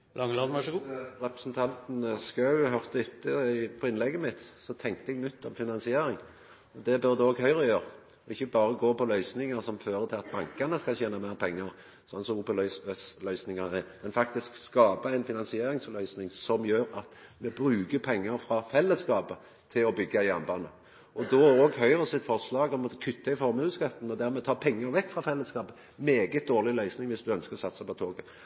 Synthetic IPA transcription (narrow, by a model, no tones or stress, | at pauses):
lɑŋəlɑːd̪n̩æʂʁɛpɾəsnt̪ʰɑnt̪n̩skɑʉɦœʁt̪əɪt̪ʰːəɪpʰɔɪnlɛɡːəmɪt̪sɔt̪ʰɛŋk̚t̪əɛɡnʏt̪ʰːɔmfɪnɑnsɪeːɾɪŋ | ɔd̪ɛbœʁd̪ɛɔːɡhœʏʁəjøːɾ | ɔɪçːəbɑːɾəɡoːpɔlœʏsnɪŋɑʁsɔmføːɾət̪ʰɪɑt̪̚bɑŋkɑnəskɑçeːnɑmæʁpʰɛŋːɑʁ | sɔnːsɔmuːpəlœsslœʏsnɪŋɑnɛmɛnfɑk̚t̪ɪskskɑːbəæɪnfɪnɑnsɪeːɾɪŋslœʏsnɪŋsɔmjøːɾɑt̪ | mɛbɾʉːɡəpʰɛŋːəɾfɾɑfɛlːəskɑːpə | t̪ʰɪlɔbʏɡːɑɪjɑnbɑnə | ɔd̪ɔoːɡhœʏʁəsɪt̪fɔʁʂlɑːɡɔmɔkʰʉt̪ːəɪfɔɾmʉskɑt̪ːn̩ɔd̪æɾmɛt̪ʰɑːpʰɛŋːəɾʋɛkːfʁɑfɛlːəskɑːbə | meːɡət̪̚d̪oːʁlɪlœʏsnɪŋʋɪsd̪ʉœnskəɾɔsɑt̪ːsɑpɔt̪ʰoːɡə